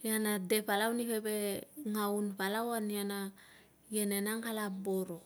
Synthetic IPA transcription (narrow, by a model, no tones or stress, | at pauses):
janadepalawnipebeŋawnpalawaniana | jenenaŋhalaboɾo